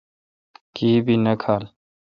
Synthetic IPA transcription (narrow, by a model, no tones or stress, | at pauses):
kiːbʱinɐkʰaːl